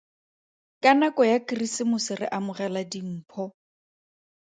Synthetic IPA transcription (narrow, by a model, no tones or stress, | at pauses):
kʼanakɔjakirisɪmʊsɪrɪ̰ʔamʊrɛladiŋ̩ːpʰɔ